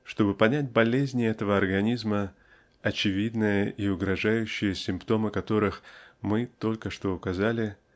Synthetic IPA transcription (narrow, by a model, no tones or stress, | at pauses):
ʂt̪o̞bɨpɐnʲæt̚ʲbɐlʲezʲnʲɪɛt̪əvəɐrɡɐnʲizmə | ɐt͡ɕɪvʲid̪nəjəʔiʊɡɾɐʐajʉɕːɪjəsʲɪmpt̪o̞mɨkɐt̪o̞ɾɨxmɨt̪o̞lʲkəʂt̪o̞ʊkɐzalʲɪ